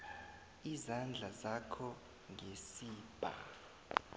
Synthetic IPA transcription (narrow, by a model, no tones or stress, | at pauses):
izand͡ɮʱazakʰɔ | ŋʱesiːb̥ʱa̰